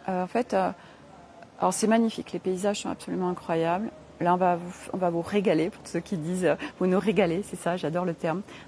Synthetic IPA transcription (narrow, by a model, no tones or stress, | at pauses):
øɑ̃fɛt̪ø | alɔʁsɛmaɲifiklepeizaʒsɔ̃a̰psɔlymɑ̃ɛ̃kχwajabl | laɔ̃vavufɔ̰̃vavuʁeɡalepuʁt̪u̥søkʲid̪izøvunuʁeɡalesɛsaʒad̪ɔʁlət̪ɛʁm